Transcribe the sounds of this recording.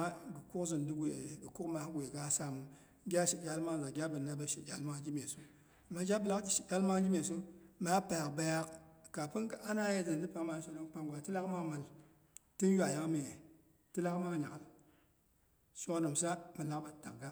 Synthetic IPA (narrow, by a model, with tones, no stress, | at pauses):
a˦ɡɨ˨ku˦kzi˨ndu˦ɡʷe˨ɡɨ˨ku˦kma˦hɡʷe˨ɡa˦sa˦mu˨ | ɡʲa˦ʃe˨d͡ʒa˦lma˦˨za˨ɡʲa˦bə˨na˦ba˦ʃe˨d͡ʒa˦lma˦d͡ʒi˦me˨su˦ | a˨mːa˦d͡ʒa˦bɨ˨la˦ti˨ʃi˨d͡ʒa˦lma˦d͡ʒi˦me˨so˦ma˦pa˨ja˨kba˦ja˦kka˨pɨ˦nka˦a˦na˦je˦zɨ˨n˨dɨ˦pa˦ma˦ʃo˦no˦n˦k͡pa˦ŋɡʷa˨˦ti˦la˦kma˦ma˨l | ti˦n˦ju˦a˨ja˦kme˨ | ti˦la˦kma˦˨ɲa˨ka˨l | ʃo˦no˨m˨sa˦ma˨la˦kba˨˦ta̰˨kɡa˦